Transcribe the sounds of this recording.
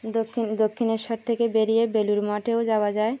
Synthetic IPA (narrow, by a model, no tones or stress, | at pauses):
d̪okʰːind̪okʰːineɾʃɔɾt̪ʰekebeɾijebeluɾmɔʈeod͡ʑaoad͡ʑae